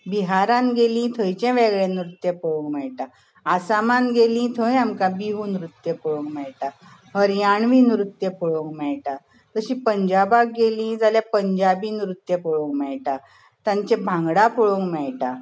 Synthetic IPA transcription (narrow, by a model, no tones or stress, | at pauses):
biɦaɾãnɡelĩt̪ʰəjt͡ɕɛ̃ʋeɡɭẽnɾut̪jepɔɭõŋɡmɛɭʈa | asamanɡelĩt̪ʰəjamkabiɦuːnɾut̪ːjepɔɭoŋkmɛɭʈa | ɦəɾjaɳʋinɾut̪ːjepɔɭoŋkmɛɭʈa | t̪əɕĩːpəɲd͡ʑabak̚ɡelĩd͡zaljapəɲd͡ʑabinɾut̪jepɔɭõŋkmɛɭʈa | t̪jãɲt͡ɕẽbʱãŋɡɽapɔɭoŋɡmɛɭʈa